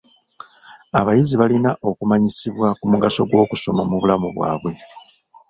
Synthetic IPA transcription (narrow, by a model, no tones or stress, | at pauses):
aβajiziβalinaʔo̞kumaɲisiβwakumuɡaso̞ɡwo̞ːkuso̞mamuβulamuβwa̰ːβwe̞